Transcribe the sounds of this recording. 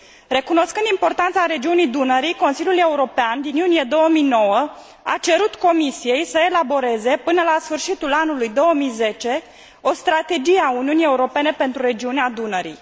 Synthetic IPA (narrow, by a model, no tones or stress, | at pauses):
re̞kuno̞skɨnd̪impo̞rt̪ant̪saɾe̞d͡ʒiunijd̪unəɾiko̞nsilʲjulje̞uɾo̞peand̪injunije̞d̪o̞wəmijno̞wə | a̰t͡ʃe̞ɾut̪ko̞misije̞jsəelabo̞ɾe̞ze̞pɨnəlasfɨrʃit̪ulanulujd̪o̞wəmijze̞t͡ʃe̞ | o̞st̪ɾat̪e̞d͡ʒijeauniunije̞uɾo̞pe̞ne̞pe̞nt̪ɾuɾe̞d͡ʒiunead̪unəɾḭj